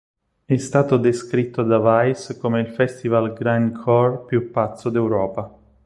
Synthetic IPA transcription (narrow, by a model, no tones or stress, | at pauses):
ɛst̪aːt̪od̪eskɾit̪ːod̪avajskomeilfɛst̪ivalɡɾankʰɔrpjupːat̪sːod̪ewɾɔːpa